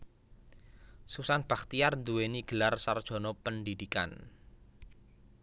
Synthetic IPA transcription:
susanb̥a̤k̚t̪ijarnd̪uweniɡ̥əlarsard̥ʒ̥ɔ̤nɔpəndid̪̥ika̰n

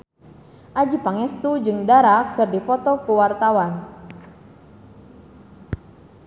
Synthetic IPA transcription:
ʔad͡ʒipaŋɛst̪ud͡ʒɨŋdaɾakɨrdipɔt̪ɔkuwart̪awan

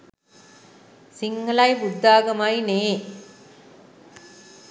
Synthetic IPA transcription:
sɪŋɡɐlajbʊd̪ːaːɡɐmaːjneː

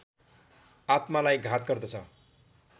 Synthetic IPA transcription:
at̪malajɡʱat̪ɡʌrd̪ʌt͡sʰʌ

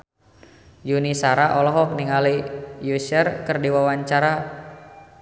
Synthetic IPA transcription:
junisaɾaʔɔlɔɦɔk̚niŋalijusərkɨrdiwawaɲt͡ʃaɾa

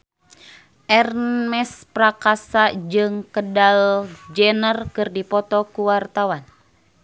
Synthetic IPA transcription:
ʔɛrmɛspɾakasad͡ʒɨŋkədald͡ʒɛnərkɨrdipɔt̪ɔkuwart̪awan

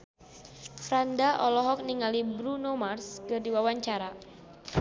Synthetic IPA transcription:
fɾandaʔɔlɔɦɔk̚niŋalibɾunomarskɨrdiwawaɲt͡ʃaɾa

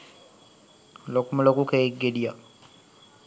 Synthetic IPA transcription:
lokumɐlokukeeɡːedija

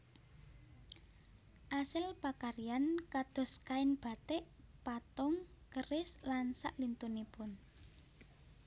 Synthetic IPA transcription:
ʔasɪlpakaɾijankad̪̥ɔ̤skaɪnb̥a̤t̪ɛʔ | pat̪ʊŋkərɪslansa̰ʔlint̪unipʊn

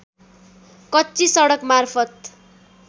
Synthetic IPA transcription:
kʌtːisʌɽʌkmarpʰʌt̪

